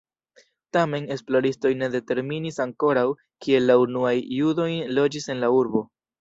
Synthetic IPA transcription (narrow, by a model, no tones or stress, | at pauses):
tame̞ne̞splo̞ɾisto̞jne̞de̞te̞ɾminisaŋko̞ɾaw | kie̞lːaunuajːudo̞jlo̞d͡ʒise̞nlauɾbo̞